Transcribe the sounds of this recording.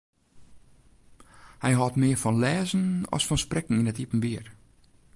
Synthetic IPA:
hɛjɦɔtmɪːfɔnlɛːzən̩ɔ̰sfɔnsprɛkŋ̩inɛtipən̩ʋiər

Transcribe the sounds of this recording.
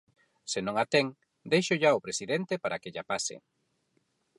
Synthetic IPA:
senõŋat̪eŋ | d̪ejʃʊʎaʊpɾesiðɛnt̪epaɾakeʎapasɪ̰

